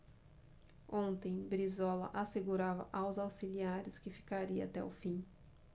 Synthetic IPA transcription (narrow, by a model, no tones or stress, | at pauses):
õnt̪ẽj̃bɾizɔlɐ̰ʔaseɡuɾavɐ̰ʔawzawsiliaɾɪskɪfi̥kaɾiɐat̪ɛʊfĩ